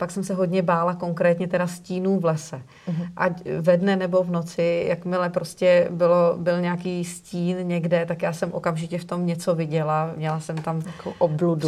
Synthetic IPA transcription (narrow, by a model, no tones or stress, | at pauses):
paksɛmsɛɦo̞dɲɛbaːlako̞ŋkɾɛːt̪ɲɛt̪ɛɾasciːnuːvlɛsɛ | ʔacvɛdnɛnɛbo̞vno̞t͡sɪjakmɪlɛpɾoscɛbɪlobɪlɲɛakiːsciːnɲɛɡdɛt̪akjaːsɛmʔo̞̰kamʒɪcɛft̪o̞mɲɛt͡so̞vɪɟɛlamɲɛlasɛmt̪amkoʔobludu